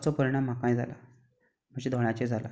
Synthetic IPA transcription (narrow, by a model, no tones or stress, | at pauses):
t͡sɔpəɾiɽ̃am̤ːakãĩd͡zʱala̰ | m̤əd͡ʑed̪ʱɔɽ̃at͡ɕed͡zʱala̰